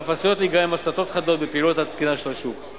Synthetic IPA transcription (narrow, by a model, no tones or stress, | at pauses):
fasjot̪liɡaimasat̪o̞t̪χad̪o̞t̪̚bepiːlot̪hat̪kinaʃelaʃuk